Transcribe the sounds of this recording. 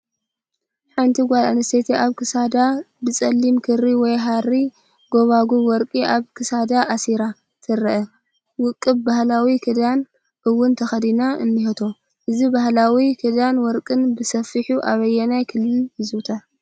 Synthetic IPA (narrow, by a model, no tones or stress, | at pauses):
ħant̪ʰiɡʷala̰nɐst̪et̪ʰeʔaβkɨsad̪abɨt͡sʼɐlːimkʰɨɾiwɔjɦaɾi | ɡo̞βaɡuwɔɾkʼiʔaβkʰɨsad̪aʔasiɾa | t̪ʰɨɾɐʔɐ | wʊkʼːɨbbahlawikʰɨd̪an | ʔɨwːʊnt̪ʰɐxɐd̪inaɨnːɨhɐt̪ʰo̞ | ʔɨzibahlawikʰɨd̪anwɔɾkʼɨnbɨsɐfːɨħuʔaβɐjːɛnajkʰɨlːɨlhɨzt̪ʰa